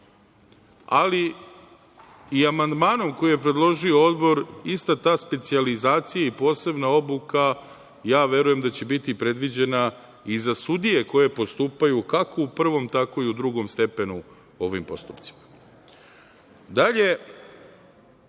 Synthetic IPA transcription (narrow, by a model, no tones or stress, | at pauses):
a̰li | iamand̪maːno̞mko̞jijepɾed̪lˠo̞ʒio̞o̞d̪bo̞ɾist̪at̪aːspe̞t̪sializaːt̪sijaipo̞ːse̞bnao̞buka | jaːʋje̞ɾuje̞md̪at͡ɕe̞bit̪ipɾe̞d̪ʋid͡ʑe̞na | izasud̪ije̞ko̞je̞po̞st̪uːpajukako̞upr̩ʋo̞mt̪ako̞iud̪ɾuɡo̞mst̪e̞pe̞nu | o̞ʋḭmpo̞̰st̪upt̪si̥mḁ | d̪aʎe̞